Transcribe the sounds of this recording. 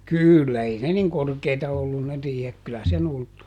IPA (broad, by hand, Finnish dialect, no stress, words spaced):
kyˑlːæ ei ne niŋ korkeitɑ olːun ne riːhek kylæ sen ultːu